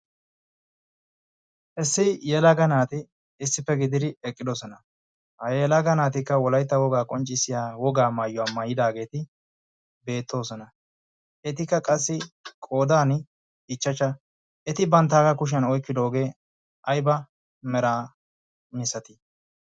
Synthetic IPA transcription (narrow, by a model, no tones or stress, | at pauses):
ʔɛsːɪjɛlɐɡɐnaːt̪ɪ | ɪsːɪpːɛɡɪd̪ɪd̪ɪɛkʼːɪd̪ɔsɔnɐ | hɐjɛlɐɡɐnaːt̪ɪkːɐwɔlɐjt̪ːɐwɔɡaːkʼɔnt͡ʃʼːɪsɪjaːwɔɡaːmɐjːɔaːmɐjɪd̪aːɡe̞ːt̪ɪ | be̞ːt̪ʰːo̞ːsɔnɐ | ɛt̪ɪkːɐkʼɐsːɪkʼo̞ːd̪aːn | ɪt͡ʃːɐt͡ʃːɐ | ɛt̪ɪbɐnt̪ːaːkɐkʊʃ̬ɐnɔjkːɪd̪o̞ːɡe̞ː | ʔɐjbɐ | mɛɾaː | mɪsɐt̪ɪ